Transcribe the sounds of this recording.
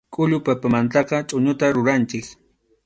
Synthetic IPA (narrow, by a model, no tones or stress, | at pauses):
kʼʊʎʊpapamant̪ɑqɑt͡ʃʼʊɲʊt̪aɾʊɾant͡ʃɪk